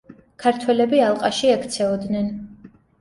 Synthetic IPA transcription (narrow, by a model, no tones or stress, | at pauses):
kʰaɾt̪ʰwɛlɛbialˠqʼaʃiɛkʰt̪sʰɛɔd̪nɛn